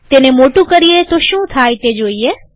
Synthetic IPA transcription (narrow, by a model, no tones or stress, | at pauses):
t̪eːnemoːʈũkəɾijet̪oʃũːt̪ʰaːjt̪eːd͡ʒoːie